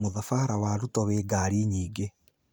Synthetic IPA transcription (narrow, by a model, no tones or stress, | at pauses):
moðafaɾawaɾutɔweɡaːɾiɲiːɡe